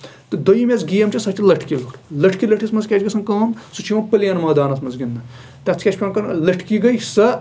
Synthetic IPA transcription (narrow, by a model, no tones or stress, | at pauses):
t̪ɨd̪ojimʲezɡijɐmt͡ʃʰisɐt͡ʃʰilɐʈʰkiluɾlɐʈʰkilɐʈʰismɐnzkʲɛt͡ʃʰɡɐsɐnkaːmsut͡ʃʰimɐpəljɐnmaːd̪aːnɐsmɐnzɡʲind̪ɐ | t̪ɐt͡sʰkʲet͡ʃʰpʲɐnkɐnlɐʈʰkiɡɐjsɐ